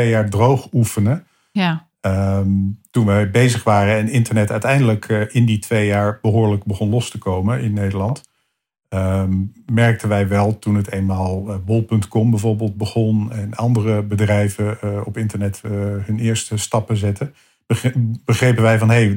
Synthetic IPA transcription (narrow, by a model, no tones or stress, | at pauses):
ejaːɹdrowχufənə | mtunʋɛjbejzəχʋaːrəɛnɪntəɹnɛtœɥtɛjndələkɪnditʋejjaːɹb̥əɦʊːɹləɡ̚bəχɔnlɔstəkowmənɪnːejdəɹlɑnt | mɛɹk̚tənʋɛjʋɛlˠtunɦətejnmaːlˠʋɔlˠpɵntkɔmbɛjvʊːɹbeːlˠd̚bəχɔnɛnɑndərəbədrɛjvəɔpɪntəɹnɛtɦɵnɪːɹstəstɑpəzɛtə | b̥əχrejpənʋɛjvɑnɦej